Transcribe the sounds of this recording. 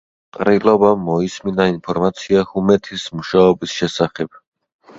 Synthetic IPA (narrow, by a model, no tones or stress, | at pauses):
qʼɾilɔbamːɔisminainpʰɔɾmat̪sʰiahumɛt̪ʰismuʃaɔbisʃɛsaχɛb̥̚